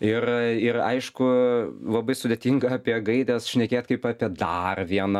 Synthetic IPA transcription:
ɪrɪrɐ̰ɪʃkʊlˠɐbɐɪsʊd̪ʲet̪ʲiŋɡɐɐpʲiɛɡɐɪd̪ʲɛsʃʲnʲɛkʲeːt̪kɐɪpɑːpʲiɛd̪ɐrʋʲiɛnɐ

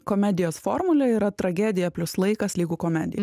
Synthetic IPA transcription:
kɔmʲɛd̪ʲɪjoːsfɔːɾmʊlʲɛiːɾɐt̪ɾɐɡʲæd̪ʲɪjɛpʲlʲʊslˠɐɪkɐslʲiːɡuːkɔmʲɛd̪ʲɪ̰j

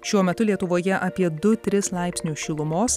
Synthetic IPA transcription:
ʃʲuɔmʲɛt̪ʊlʲiɛt̪ʊʋoːjɛʔɐpʲiɛd̪ʊt̪ʲɾʲɪslˠɑˑɪpʲsʲnʲuːʃʲɪlˠʊmoːs

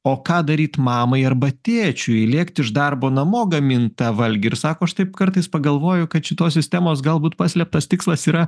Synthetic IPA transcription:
oːkɑːd̪ɐɾʲiːt̪mɑːmɐɪɐɾbɐt̪ʲeːt͡ʃʲʊilʲiɛkt̪ʲɪʃd̪ɐɾboːnɐmoːɡɐmʲɪnt̪ɑʋɐlʲɡʲɪɪɾsɑːkoːɐʃt̪ɐɪpkɐɾt̪ɐɪspɐɡɐlˠʋoːjʊkɐt̪ʃʲɪt̪oːssʲɪsʲt̪ʲæːmoːs̬ɡɐlˠbuːt̪pɑːsʲlʲɛp̚t̪ɐst̪ʲɪkslˠɐsiːɾɐ

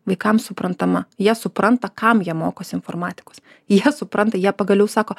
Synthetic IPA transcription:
ʋɐɪkɐmsʊpɾɐnt̪ɐmɐjiɛsʊpɾɐnt̪ɐkɐmjiɛmoːkoːsʲɪɪnfoːrmɑːt̪ʲɪ̥kos | jiɛsʊpɾɐnt̪ɐjiɛpɐɡɐlʲɛʊsɑːkoː

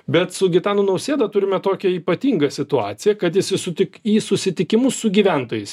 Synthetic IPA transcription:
bʲɛt̪sʊɡʲɪt̪ɑːnuːnɐʊsʲeːd̪ɐt̪ʊɾʲɪmʲɛt̪oːkʲɛiːpɐt̪ʲiːŋɡɐsʲɪt̪ʊɑ̰ːt̪sʲɪjɛkɐt̪jɪsʲɪsʊt̪ʲɪkiːsʊsʲɪt̪ʲɪkʲɪmʊsːʊɡʲiːʋʲænt̪oːjɛɪs

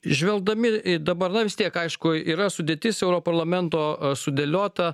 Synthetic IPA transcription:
ʒʲʋʲɛlˠd̪ɐmʲɪd̪ɐbɐɾnɐʋʲɪst̪ʲiɛkɐɪʃkʊiːɾɐsʊd̪ʲeːt̪ʲɪsɛʊɾoːpɐɾlˠɐmʲɛnt̪oːsʊd̪ʲɛlʲoːt̪ɐ

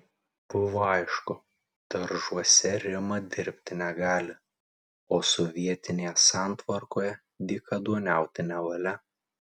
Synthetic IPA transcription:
b̥ʊʋoːɐɪʃkʊ | t̪ɐɾʒuɔsʲɛɾʲɪmɐd̪ʲɪɾʲpʲt̪ʲɪnʲɛɡɑːlʲɪ | oːsɔʋʲiɛt̪ʲɪnʲeːjɛsɑˑnt̪ʋɐɾkoːjɛ | d̪ʲɪkɐd̪uɔnʲæˑʊt̪ʲɪnʲɛʋɐlʲɛ

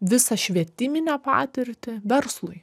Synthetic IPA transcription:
ʋʲɪsɐʃʲʋʲiɛt̪ʲɪmʲɪnʲɛːpɑ̰ːt̪ʲɪɾʲt̪ʲɪʋʲɛɾslˠʊɪ

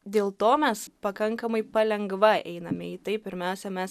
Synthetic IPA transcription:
d̪ʲeːlˠt̪oːmʲɛspɐkɐŋkɐmɐɪpɐlʲɛŋɡʋɐʔɛ̰ɪnɐmʲɪiːt̪ɐɪppʲɪɾʲmʲɛʊsʲɛmʲɛs

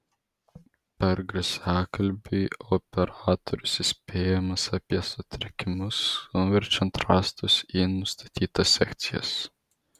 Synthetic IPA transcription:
pʲɛɾɡɾɨsʲæːkɐlʲbʲiɔpʲɛɾaːt̪ɔɾʲusisʲpʲeːjɛmɐsapʲiɛsɔt̪ʲɾʲɛkʲimuskɔnvʲɛɾʲt͡ʃʲɛnt̪ɾast̪usʲinust̪ʰɐ̥t̪ʲiːt̪asʲɛ̰kt̪sʲija̰s

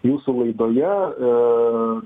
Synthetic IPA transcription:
juːsulˠɐɪd̪oːjɛ

